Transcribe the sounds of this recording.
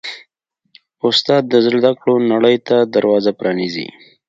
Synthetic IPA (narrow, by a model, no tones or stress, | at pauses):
ʊst̪ɑːd̪̚ːəzɪld̪akɽonaɽəjt̪ad̪aɾwɑːzapɾɑnizḭ